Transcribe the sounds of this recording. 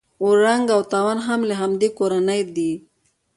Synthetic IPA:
ʊɾaŋɡawt̪ɑwanɦamlaɦamd̪ekoɾanəjd̪i

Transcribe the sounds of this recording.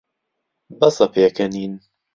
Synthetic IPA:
bɐsɐpʰeːkʰɐniːn

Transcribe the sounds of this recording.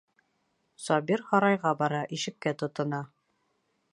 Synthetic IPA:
sɒbiɾhɒɾɑjʁɑbɒɾɑʔiʃɘ̆kkːæt̪ŏt̪ɤ̆nɑ

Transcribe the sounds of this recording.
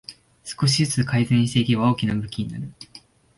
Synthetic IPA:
sɨ̥ko̞ɕ̬izɨt͡sɨkaizɨ̃ɲ̃iɕi̥t̪ekʲiβao̞ːkʲinabɯ̟kʲiɲ̟ina̰ɾɯ̟

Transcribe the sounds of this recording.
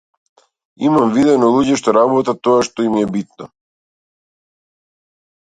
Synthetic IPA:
imamvid̪ɛnɔlˠuɟɛʃt̪ɔɾabɔt̪at̪ɔaʃt̪ɔimiɛbit̪̚nɔ

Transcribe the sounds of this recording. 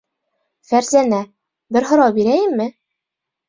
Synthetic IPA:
fæɾzænæ | bɘɾɦŏɾɑwbiɾæjɘmːɘ

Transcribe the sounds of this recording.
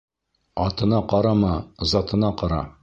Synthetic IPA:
ɒt̪ɤ̆nɑqɑɾɑmɑzɑt̪ɤ̆nɑqɑɾɑ̰

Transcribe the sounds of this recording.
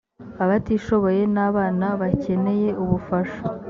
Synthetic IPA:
aβatiːʃo̞βo̞je̞naːβaːnaβace̞ne̞je̞ʔuβufaʃo̥

